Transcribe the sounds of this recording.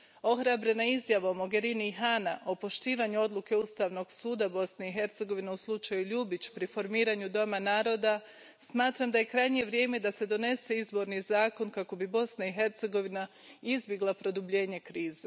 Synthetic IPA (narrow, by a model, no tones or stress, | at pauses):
o̞xɾabɾe̞naizjaʋaomo̞ɡe̞ɾiniɦanaʔo̞po̞ʃt̪iːʋaɲuo̞d̪lˠuke̞ust̪aʋno̞ɡsuːd̪abo̞sne̞iɦe̞ɾt̪se̞ɡo̞ʋine̞uslˠut͡ʃajuʎubit͡ɕpɾifo̞ɾmiːɾaɲud̪o̞manaːɾo̞ːd̪a | smaːt̪ɾamd̪aje̞kɾajɲie̞ʋɾje̞ːme̞d̪ase̞d̪o̞ne̞se̞izbo̞ɾnizaːko̞nkako̞bibo̞snaiɦe̞ɾt̪se̞ɡo̞ʋina | izbjeɡlˠapɾo̞d̪ubʎe̞ːɲe̞kɾiːze